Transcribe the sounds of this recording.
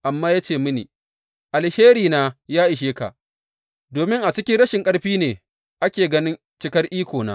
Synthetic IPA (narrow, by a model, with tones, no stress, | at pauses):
ʔa˨mːaː˦jaː˦t͡ʃeː˦˨mʊ˦nḭː˨ | ʔa˨lheː˦ɾiː˨naː˦jaː˦ʔɪ˨ʃ̬eː˦ka̰˨ʔ | doː˨mɪ˦ŋʔa˨t͡ʃɪ˦kʲɪ˦ɽɐ˦ʃɪ˨ŋkʼɐ˦ɽɸiː˦neː˨ | ʔa˦kʲeː˨ɡɐ˦nɪ˦n | t͡ʃɪ˦kɐ˦rʔiː˦kʷoː˨na̰ː˦